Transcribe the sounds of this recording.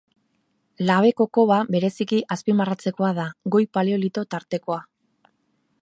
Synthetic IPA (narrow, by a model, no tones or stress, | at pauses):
laβ̞e̞ko̞ko̞βaβe̞ɾe̞sikiʔaspimarat͡se̞ko̞að̞aɡo̞jpalio̞lit̪o̞t̪aɾt̪e̞ko̞a